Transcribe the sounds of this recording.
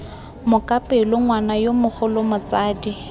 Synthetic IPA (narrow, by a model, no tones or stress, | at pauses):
mʊkʼapʼɪlʊŋwanajomʊχʰʊlʊmʊt͡saːdi